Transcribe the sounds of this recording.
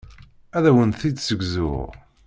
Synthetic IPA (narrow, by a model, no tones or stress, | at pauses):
æðæwənt̪θidsəɡzʊ̰ʁ